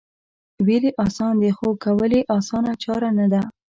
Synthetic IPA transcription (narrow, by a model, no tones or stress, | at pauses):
weliʔɑsɑnd̪exokawəleʔɑsɑnat͡ʃɑɾanad̪a